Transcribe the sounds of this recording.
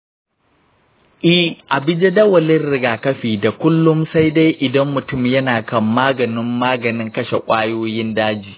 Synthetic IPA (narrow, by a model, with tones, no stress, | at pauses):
ʔɪ˦ʔa˨bɪ˦d͡ʒe˦dɐ˦wɐ˨lɪ˦rɽɪ˦ɡaː˨kɐ˦ɸiː˨da˨kʷʊ˦lːʊ˦msa˦jda˦jʔɪ˨dɐ˦mːʊ˨tʊ˦˨mjɐ˦naː˨kɐ˦˨mːaː˦ɡɐ˨nɪ˦mːaː˦ɡɐ˨nɪ˦ŋkɐ˦ʃe˨kʷʼaː˦joː˦jɪ˦ndaː˦d͡ʒiː˨